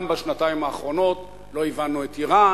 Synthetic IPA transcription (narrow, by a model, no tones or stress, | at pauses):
mbaʃnataimaːχʁo̞no̞t | lo̞ivanuetiʁa